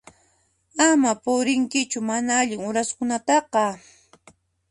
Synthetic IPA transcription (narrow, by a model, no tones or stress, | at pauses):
amapʊɾɪŋkɪt͡ʃʊmanaaʎɪŋʊɾaskʊnat̪ɑqɑ